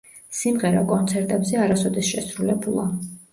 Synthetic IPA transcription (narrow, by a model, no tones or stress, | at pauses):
simʁɛɾakʼɔnt̪sʰɛɾt̪ʼɛbzɛaɾasɔd̪ɛsʃɛsɾulɛbulˠa